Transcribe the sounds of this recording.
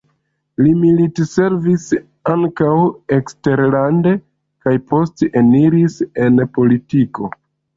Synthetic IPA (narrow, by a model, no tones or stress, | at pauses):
limilitse̞ɾvis | aŋkawe̞kste̞ɾlande̞ | kajpʰo̞steniɾise̞npo̞litiko̞